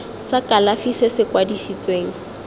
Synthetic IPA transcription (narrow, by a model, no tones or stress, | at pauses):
sakʼalafisɪsɪkwadisit͡sʼweːŋ̩